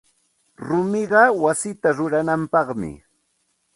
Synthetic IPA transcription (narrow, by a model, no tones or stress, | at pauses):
ɾʊmɪɢɑwasɪt̪aɾʊɾanampɑqmɪ̰